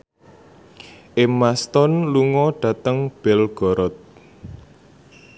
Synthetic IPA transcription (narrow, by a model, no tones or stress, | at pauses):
ʔemast̪ɔnluŋɔɖ̥ä̤t̪əŋb̥ɛlɡ̥ɔɾɔt̪̚